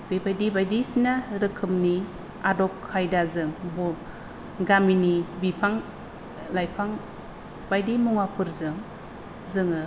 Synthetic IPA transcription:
b̥ebajdibajdisinaɾɯkʰɯmni | adɔkkʰːajdazɯŋbuɾ | ɡaminibipʰaŋ | lajpʰaŋ | b̥ajdimuŋapʰɯɾzɯŋ | zɯŋɯ

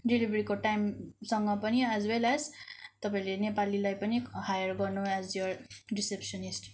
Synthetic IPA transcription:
ɖilibʱɾikoʈajmsʌŋɡʌpʌniæzwelæzt̪ʌpãĩlenepalilajpʌnihajʌrɡʌɾnuɛzjoɾrisepsʌnisʈ

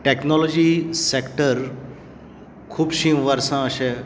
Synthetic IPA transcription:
ʈeknɔlɔd͡ʑiːsekʈəɾ | kʰuːbɕĩʋəɾsãəɕe

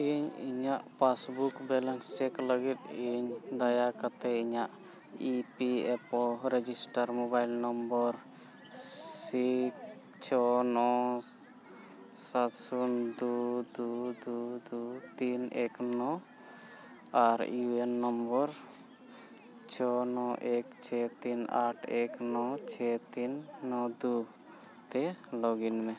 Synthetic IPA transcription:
iɲḭɲaʔpasbukbɛlənst͡ʃɛkləɡit̪̚iɲd̪ajakat̪ɛiɲaʔ | ipiɛpɔɾed͡ʒisʈaɾmobajlnɔmbɔɾ | sik | t͡ʃʰɔnɔ | sat̪sund̪ud̪ud̪ud̪ut̪ineknɔ | aɾjuenːɔmbɔɾ | t͡ʃʰɔnɔʔekt͡ʃʰɛt̪ina̰ʈʰeknɔt͡ʃʰɛt̪inːɔd̪u | t̪elɔɡinmẽ

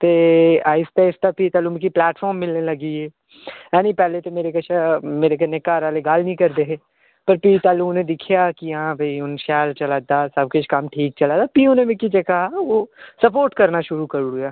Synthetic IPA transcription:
t̪eːaːɪst̪aɪst̪apit̪aːlumkiplɛːʈfʰɔːɾmːɪlnelɐɡiɛː | ɛ̃ːnĩːpɛːlet̪emeːɾekət͡ʃʰameːɾekenekaːɾaːleɡaːlnĩːkəɾd̪eɦeː | pəɾpiːt̪aːlunẽd̪ɪkʰijaːkijɐɦãbʱəiʊnʃɛːlt͡ʃɐlaːd̪aːsɐb̚kʊt͡ʃʰkɐmʈʰiːk̚t͡ʃɐlaːd̪aːpionẽmɪ̃kid͡ʒekaɦaoːsəpoːɾʈkɐɾnaʃʊɾukəɾuʊjaː

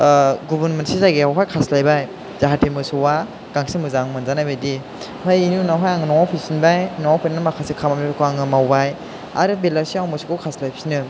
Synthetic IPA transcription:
ɡubanmentsizaɡiawɦajkʰaslajbaj | z̥aɦatʰimɯsɔwa | ɡ̥aŋsimɯzaŋmɯnzanajbajdi | hajinunawɦajaŋɯnɔwapʰisinbajnɔwawpʰinɯmakʰasikʰamamnikʰaŋɯmawbaj | a̰ɾɯbelaɾsiawmɯsukɔwkʰaslajpʰi̥snɯ

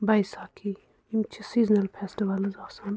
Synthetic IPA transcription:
bajsaːkʰi | imt͡ʃʰisiːznɐlpʰesʈiʋɐlɐzaːfsan

